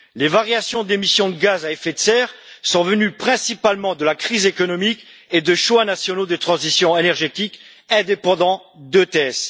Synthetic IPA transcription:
levaʁjasjɔ̃d̪emisjɔ̃d̪əɡazaefet̪sɛʁ | sɔ̃vənypχɛ̃sipalmɑ̃d̪əlakχizekɔnɔmik | ed̪əʃwanasjɔnod̪ət̪χɑ̃zisjɔ̃enɛʁʒet̪ik | ɛ̃d̪epɑ̃d̪ɑ̃ | d̪ət̪eɛs

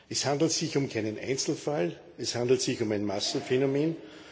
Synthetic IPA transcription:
ɛshãnd̪l̩tsɪçʊmkʰaɪnənʔa̰ɪnt͡sl̩fal | ɛshãndl̩tsɪçʊmæɪnmasn̩fenomeːn

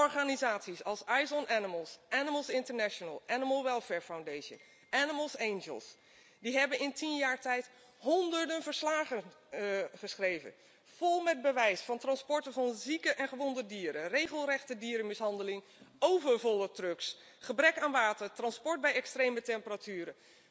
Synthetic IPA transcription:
ɔɹχaːnizaːtsisɑlˠsajzɔnʔɛnɪməlˠsʔɛnɪməlˠsɪntəɹnɛʃənə̰lˠʔɛnɪməlˠʋɛlˠfɛːɹfawndejʃə̰n | ʔɛnɪməlˠsenʒə̰lˠs | diɦɛbənɪntʰinjaːɹtɛjt | ɦɔndəɹdənvəɹslaːχən | χəsχrejvə̰n | v̥olˠmɛd̚bəʋɛjsfɑntrɑnspɔɹtəvɑnzikəʔɛnχəʋɔndədiːɾənrejχəlˠrɛχtədiːɾənmɪsɦɑndəlɪŋ | owvəɹvɔlˠətrɵks | χəbrɛkaːnʋaːtəɹtrɑnspɔɹt̚bɛjɛkstrejmətɛmpəratyːɾən

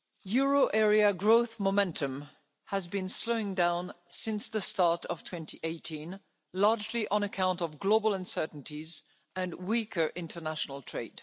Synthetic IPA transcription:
jʊɹoʊʔɛɹiɨɡɹoʊθmomɛ̃ntʰɨ̃m | həzbɨ̃nsloʊɪ̃ŋdãʊ̃n | sɪ̃nsðɨstɑɹɾʌv̥tʰw̥ɛ̃ntiʔeɪtʰĩn | lɑɹd͡ʒliʔə̃nɨkʰãʊ̃ntʌvɡloʊbl̩ˠə̃nsɜ˞ʔn̩tʰiz | ɨ̃nwikʰə˞ʔɪ̃ntʰə˞næʃn̩l̩ˠtʰɹ̥eɪd̥

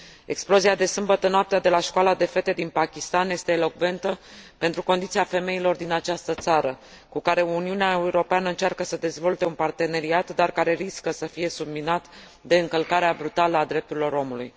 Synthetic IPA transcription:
e̞̰ksplo̞ziad̪e̞sɨmbət̪ənoap̚t̪ead̪e̞laʃkoalad̪e̞fe̞t̪e̞d̪inpakʲist̪anje̞st̪eːlo̞kve̞nt̪əpe̞nt̪ɾuko̞nd̪it̪siafe̞me̞ilo̞rd̪inat͡ʃast̪ət̪saɾə | kukaɾe̞uniuneaeuɾo̞peanəɨnt͡ʃarkəsəd̪e̞zvo̞lt̪e̞unpart̪e̞ne̞ɾiat̪d̪arkaɾe̞ɾiskəsəfije̞subminat̪ | d̪e̞ɨŋkəlkaɾeabɾut̪aləad̪ɾe̞p̚t̪uɾilo̞ɾo̞mulṵj

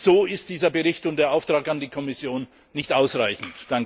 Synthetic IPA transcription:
z̥oːɪst̚d̥iːzɐbəʁɪçtʊntd̥eːɐʔaʊftʁ̥aːkandiːkʰɔmɪsjoːnː | ɪçtʔaʊsʁaɪçn̩td̥aŋk

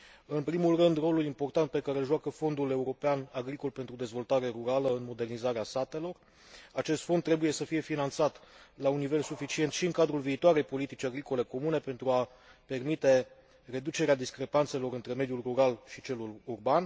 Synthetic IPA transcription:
ɨnpɾimulrɨnd̪ro̞lulimpo̞rt̪ant̪̚pe̞kaɾelʒoakəfo̞nd̪ule̞uɾo̞peanaɡɾiko̞lpe̞nt̪ɾud̪e̞zvo̞lt̪aɾe̞ɾuɾaləɨnmo̞d̪e̞rnizaɾeast̪at̪e̞lo̞r | at͡ʃe̞st̪fo̞nt̪ːɾe̞buje̞səfije̞finant̪sat̪launːive̞lsufit͡ʃie̞nt̪ʃiɨŋkad̪ɾulviːt̪oaɾe̞jpo̞lit̪it͡ʃʲaɡɾiko̞le̞ko̞mune̞pe̞nt̪ɾua | pe̞rmit̪e̞ | re̞d̪ut͡ʃe̞ɾead̪iskɾe̞pant̪se̞lo̞ɾɨnt̪ɾe̞me̞d̪julruɾalʃit͡ʃe̞lulurban

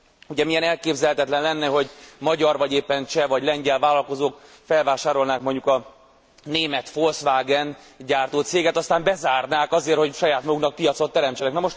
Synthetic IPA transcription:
uɟɛmijɛnɛlkeːbzɛlhɛt̪ɛt̪lɛnlɛnːɛɦo̞ɟmɒɟɒrvɒɟeːpːɛnt͡ʃɛvɒɟlɛɲɟɛlvaːlɒlko̞zoːk | fɛlvaːʃaːɾo̞lnaːkmoɲɟukɒ | neːmɛt̪fo̞lsʋaːɡɛn | ɟaːrt̪oːt̪seːɡɛt̪ɒst̪aːmbɛzaːrnaːkɒzeːrho̞cʃɒjaːt̪mɒɡuknɒk̚pijɒt̪so̞t̪ːɛɾɛmt͡ʃɛnɛknɛmo̞ʃt̪

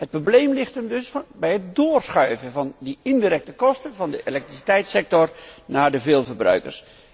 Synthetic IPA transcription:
ɦət̚problejmlɪχtəmdɵsfbɛjɦət̚doːrsχœɥvənvɑndəɪndiːɾɛk̚təkɔstəvɑndəʔelɛk̚trisi̥tɛjtsɛk̚tɔrnaːɹdəvɪːlˠvərbrœ̰ɥkə̰rs

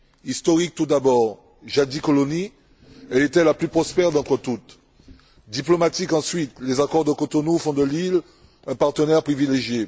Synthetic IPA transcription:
ist̪ɔʁik̚t̪ud̪abɔʁ | ʒad̪ikɔlɔni | ɛlet̪ɛlaplypχɔspɛʁd̪ɑ̃t̪χət̪ut̪ | d̪iplɔmat̪ikɑ̃sɥit̪lezakɔʁd̪əkot̪onufɔ̃d̪əlil | ɛ̃paʁt̪ənɛʁpχivileʒje

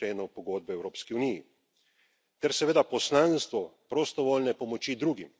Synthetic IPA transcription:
eːnɔwpɔɡoːd̪̚bɛɛwɾoːpskiuniji | t̪ɛɾsɛʋeːd̪apɔslanst̪ʋɔpɾɔst̪ɔʋoːlnɛpɔmɔt͡ʃid̪ɾuːɡim

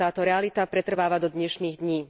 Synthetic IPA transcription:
aːt̪ɔɾɛalit̪apɾɛt̪r̩ʋaːʋad̪ɔd̪ɲɛʃniːɣd̪ɲiː

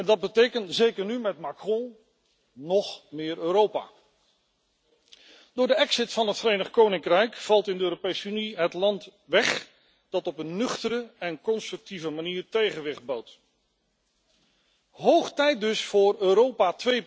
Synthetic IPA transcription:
ɛndɑd̚bətejkəntzejkəɹnymɛtmakrɔ̃ | nɔχmɪːɹøːɾowpa̰ː | dʊːɹdəɛksɪtfɑnɦətfəɾejnəχkownɪŋkrɛjkfɑlˠtɪndəøːropejsəyniɦətlɑnt | ʋɛχ | d̥ɑtɔpənːɵχtəɾəɛnkɔnstrɵk̚tivəmaniːɹtejχənʋɪχd̚bawt | ɦowχtɛjt̚dɵsfʊːɹøːɾowpatʋej

